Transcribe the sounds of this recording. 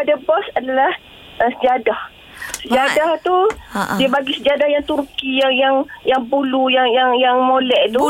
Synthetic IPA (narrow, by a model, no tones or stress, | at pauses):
padabɔsadalah | əsəd͡ʒadah | səd͡ʒadaht̪udiəbaɡisəd͡ʒadahjaŋt̪urkijaŋjaŋjaŋbulujaŋjaŋjaŋmolɛʔt̪u